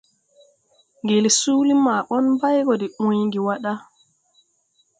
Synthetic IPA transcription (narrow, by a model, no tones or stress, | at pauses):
ŋɡelsuːlimaːɓɔnbajɡɔdɛɓujŋɡiwaɗa